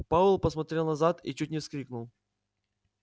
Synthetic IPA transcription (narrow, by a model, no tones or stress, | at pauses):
paʊlˠpəsmɐt̪ɾʲelˠnɐzat̪ḭt͡ɕutʲnʲɪfsklʲiknʊlˠ